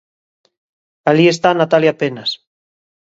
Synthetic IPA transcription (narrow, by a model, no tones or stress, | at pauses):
alie̞st̪anat̪aljapenas